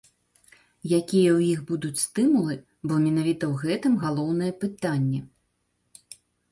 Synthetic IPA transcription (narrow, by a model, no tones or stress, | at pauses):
jakʲijɛwjixbud̪ut͡sʲst̪ɨmulˠɨ | bɔmʲɛnavʲit̪ɐwɣɛt̪ɨmɣalˠɔwnɨjɛpɨt̪anʲːɛ